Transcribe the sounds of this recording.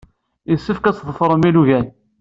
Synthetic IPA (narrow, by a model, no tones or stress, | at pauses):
isːəfkæt͡sðˤəfɾˤəmiluʝæn